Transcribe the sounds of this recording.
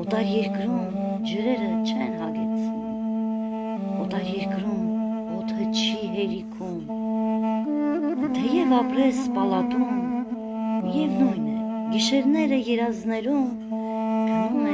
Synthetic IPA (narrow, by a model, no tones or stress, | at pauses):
ɔt̪ɑɾjɛɾkɾum | d͡ʒəɾɛɾət͡ʃʰɛnhɑɡɛt͡sʰuum | ɔt̪ɑɾjɛɾkɾum | ɔt̪ʰət͡ʃʰiɦɛɾikʰum | t̪ʰɛjɛvɑpɾɛspɑlɑt̪um | jɛvnujnɛ | ɡiʃɛɾnɛɾəjɛɾɑznɛɾum | ɡənumɛ